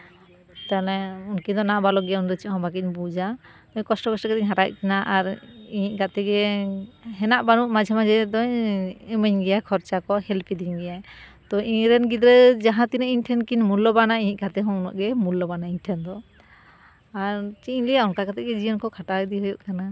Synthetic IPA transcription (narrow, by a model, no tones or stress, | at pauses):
t̪alɛunkiɲd̪ɔnaʔbalɔɡɛɔnd̪ɔt͡ʃiʔɦɔ̃bakic̚bud͡ʒa | ɔɲkɔsʈɔkɔsʈɔkɛt̪ɛɲɦaɾaʔ̚ˀkinaʔaɾiɲiʔ̚ɡat̪ɛɡɛ | ɦɛnaʔbanuʔmad͡ʒʱamad͡ʒɛd̪ɔɲɛməɲɡɛjakʰɔɾt͡ʃakɔhɛlpʰid̪iɲɡɛjat̪ɔiɲɾɛnɡit̪ɾɛd͡ʒaɦãt̪inɛʔiɲʈʰɛnkiɲmulɔbanaiɲiʔɡat̪ɛɦɔnɔ̰ʔɡɛmulːɔbanaiɲʈʰɛnd̪ɔ | aɾt͡ʃiɲlijaunkakat̪ɛʔɡɛd͡ʒiənkɔkʰaʈad̪iɦɔjɔʔkana